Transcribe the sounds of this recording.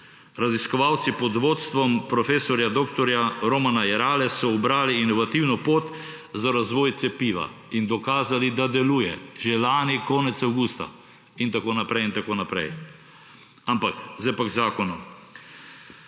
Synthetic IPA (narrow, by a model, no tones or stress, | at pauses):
ɾaziskɔʋawt̪sipɔd̪ʋoːt̪st̪ʋɔmpɾɔfeːsɔɾjad̪oːkt̪ɔɾjaɾomanajɛɾaːlɛssɔubɾaːliinɔʋat̪iwnɔpot̪ | zaɾazʋoːjt̪sɛpiːʋa̰ | ind̪ɔkaːzalid̪ad̪ɛluːjɛʒelaːnikɔːnɛt̪sawɡuːst̪a̰ | int̪akoːnapɾɛjint̪akoːnapɾɛ̰j | ampakzd̪ajpaɡzaːkɔnu